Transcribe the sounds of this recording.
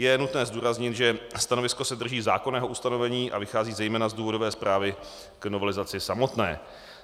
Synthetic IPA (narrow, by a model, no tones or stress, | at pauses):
jɛnut̪nɛːzduːɾazɲɪt̪ʒɛst̪ano̞vɪsko̞sɛd̪r̩ʒiːza̰ːko̞nɛːɦo̞ʔust̪ano̞vɛɲiːʔa̰vɪxaːziːzɛjmɛːnazduːvo̞dovɛːspɾʔaːvɪ | kno̞vɛlɪzat͡sɪsamo̞t̪nɛ̰ː